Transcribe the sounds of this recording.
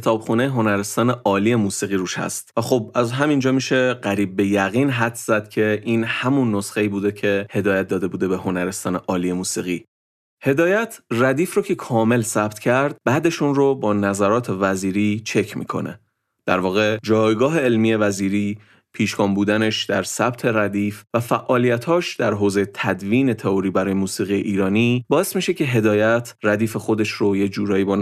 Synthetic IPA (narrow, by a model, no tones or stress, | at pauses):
et̪ʰɒːbxuːnejeɦo̞næɾest̪ɒːneʔɒːlije̞muːsiːɣiːɾuːʃhæ̰st̪væxob̚æzɦæmind͡ʒɒːmiːʃe̞ɢæɾiːb̚ːe̞jæɣiːnɦæt̪ʰz̥æd̪̥̚cʰe̞ʔiːnhæmunːosxeiːbuːd̪e̞cʰe̞he̞d̪ɒːjæt̪̚d̪ɒːd̪e̞buːd̪e̞beho̞næɾe̞st̪ɒːneʔɒːlijemuːsiːɣiː | he̞d̪ɒːjæt̪ʰræd̪iːfɾocʰe̞kʰɒːme̞lsæb̥t̪ʰcʰæɾd̪̥̚bæːd̪e̞ʃunrobɒːnæzæɾɒːt̪ʰe̞væziːɾiːt͡ʃʰe̞cʰmḭːkʰo̞̰nḛ | d̪̥æɾvɒːɣe̞d͡ʒɒːjɡɒːɦe̞elmije̞væziːɾiː | pʰiːʃkɒːmbuːd̪æne̞ʃd̪æɾsæb̥t̪ʰe̞ɾæd̪iːfvæfæʔɒːlijæt̪hɒːʃd̪æɾɦoːzejet̪ʰæd̪viːne̞t̪ʰe̞oɾiːbæɾɒːjemuːsiːɣije̞̰ʔiːɾɒːniːbɒːesmiːʃe̞cʰe̞ɦe̞d̪ɒːjæt̪ʰræd̪iːfexo̞d̪e̞ʃɾojed͡ʒuːɾɒːjiːbɒːn